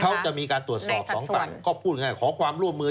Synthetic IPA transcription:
kʰa˦˥wt͡ɕa˨˩ʔmiː˧kaː˧nu˨˩ət̪̚sɔː˨˩p̚ɔː˩˦ŋpa˨˩kɔː˥˩pʰuː˥˩t̪̚ŋaː˥˩jkʰɔː˩˦kʰwaː˧mɾu˥˩əmːɯː˧

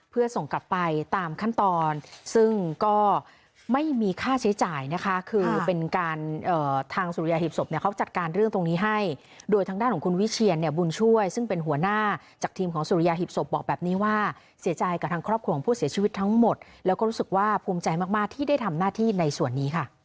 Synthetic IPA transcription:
pʰɯ˥˩ɐso˨˩ŋka˨˩pːa˧jt̪aː˧mkʰa˥˩nt̪ɔː˧nsɯ˥˩ŋkɔː˥˩ | ma˥˩jmiː˧kʰaː˥˩si˩˦t͡ɕaː˨˩jna˦˥kʰa˦˥kʰɯː˧pe˧nkaː˧nʔɤː˨˩t̪ʰaː˧ŋsu˧ɾi˧jaː˧ɦi˨˩p̚so˨˩p̚ni˥˩ɐkʰa˦˥wt͡ɕa˨˩t̪̚kaː˧nɾɯ˥˩ŋt̪o˧ŋniː˦˥ɦa˥˩j | doː˧jt̪ʰaː˧ŋdaː˥˩kʰɔː˨˩˦kʰu˧nwi˦˥t͡ɕʰi˧ənːi˧˩əbu˧nt͡ɕʰu˥˩əjsɯ˥˩ŋpe˧nɦu˩˦ɐnaː˥˩ | t͡ɕaː˨˩k̚t̪ʰiː˧mkʰɔː˩˦ŋsuː˧ɾi˧jaː˧ɦi˨˩p̚so˨˩p̚bɔː˨˩k̚bɛː˨˩p̚niː˦˥waː˥˩ | si˩˦t͡ɕa˧jka˨˩t̪ʰaː˧ŋkʰɾɔː˥˩p̚kʰu˧kːɔː˨˦pʰuː˥˩si˩˦t͡ɕʰiː˧wi˦˥t̪ʰːa˦˥ŋmo˨˩t̪̚lɛː˦˥wkɔː˥˩ɾuː˦˥sɯ˨˩k̚waː˥˩pʰuː˧mt͡ɕa˧jmaː˧˩k̚maː˥˩k̚t̪ʰiː˥˩da˥˩jt̪ʰa˧mnaː˥˩t̪ʰiː˥˩na˧jsu˨˩ənːiː˦˥kʰa˥˩

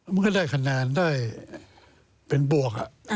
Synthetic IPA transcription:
ma˧˥˨ŋka˥˧˩daː˥˩jkʰa˧naː˧ndaː˥˩j | pe˧nbu˨˩ək̚a̰˨˩ʔ

